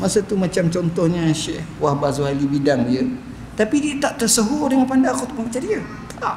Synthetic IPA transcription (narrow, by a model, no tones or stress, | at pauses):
masət̪umat͡ʃamt͡ʃɔnt̪ɔhɲaʃɛhwahbazoɦalibidaŋdiə | t̪apidiət̪aʔt̪ərsəɦudəŋanpandaŋkot̪umamət͡ʃadiə | ta